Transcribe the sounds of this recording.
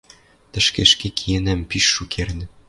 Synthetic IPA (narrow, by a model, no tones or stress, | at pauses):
t̪ə̆ʃkeʃkekʰijenæmpiʃːukʰernɘ̆